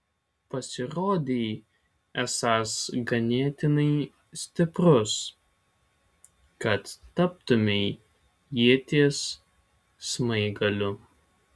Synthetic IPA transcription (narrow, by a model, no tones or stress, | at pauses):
pɐsʲɪɾoːd̪ʲeː | ɛsɑːsɡɐnʲeːt̪ʲɪnɐɪ | sʲt̪ʲɪpɾʊs | kɐt̪ːɐp̚t̪ʊmʲɛɪ | jiɛt̪ʲiɛsː | mɐɪɡɐlʲʊ